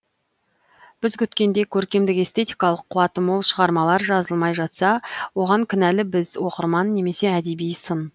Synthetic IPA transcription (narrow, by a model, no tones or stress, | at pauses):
b̥ɪzkʲʰʏt̪kʲe̞nd̪e̞kʲʰɵɾkʲe̞md̪ɪke̞st̪ʰe̞t̪ijkɑlˠəqʰːʊɑt̪əmolˠʃəʁɑɾmɑlˠɑɾʒɑzəlˠmɑjʒɑt̪sɑwo̞ʁɑŋkʲʰɪnælɪbɪzwo̞qəɾmɑnːe̞me̞se̞æd̪e̞bijsən